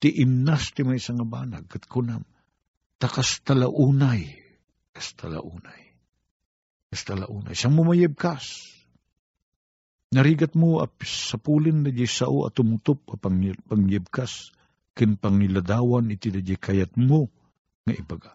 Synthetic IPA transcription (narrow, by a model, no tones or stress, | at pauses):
t̪ɪʔɪmnast̪ɪmajsaŋabanaɡ̚kat̪̚kʊnam | t̪akast̪alaʔuːnaj | kast̪ʰala̰ʔuːnaj | kast̪alaʔuːna̰jsamomajɪb̚kas | nɐɾiːɡat̪̚moa̰psapuːlɪnd̪ad͡ʒajsa̰ʔoɐ̰t̪ʊmʊt̪op̚apaŋpaŋjɪb̚kas | kɪnpaŋɪlad̪aːwanɪt̪id̪ad͡ʒajkajat̪̚mo | ŋaʔɪbaɡa